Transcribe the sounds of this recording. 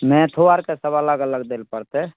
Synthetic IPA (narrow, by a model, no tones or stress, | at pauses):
mɛ̃t̪ʰoaɾkesəbələɡələɡd̪elpəɾt̪e